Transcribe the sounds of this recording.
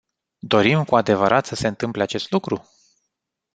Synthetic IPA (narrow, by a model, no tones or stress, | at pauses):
d̪o̞ɾimkuad̪e̞vəɾʔat̪səse̞ɨnt̪ɨmpleat͡ʃe̞st̪lukɾu